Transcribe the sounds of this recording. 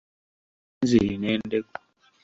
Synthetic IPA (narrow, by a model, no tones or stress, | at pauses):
nzeinɛndek